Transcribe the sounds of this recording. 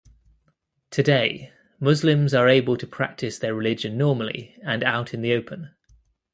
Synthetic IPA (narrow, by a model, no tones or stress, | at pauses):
tʰədeɪ | mʊzlɪ̃mzəɹeɪbəlˠtʰəpʰɹ̥a̰k̚tʰɪsðəɹɪlɪd͡ʒə̃nːɔːməlḭə̃naʊtʰɪ̃nðiəʊpʰə̃n